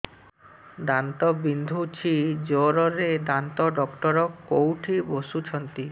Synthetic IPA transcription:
d̪ant̪ɔbind̪ʱut͡ʃʰid͡ʒoɾɔɾed̪ant̪ɔɖɔkʈɔɾɔkːowʈʰibosut͡ʃʰɔnt̪i

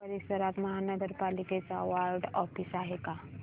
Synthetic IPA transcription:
pəɾisəɾat̪məɦanəɡəɾpaliket͡saʋaɾɖɔpʰisaɦeka

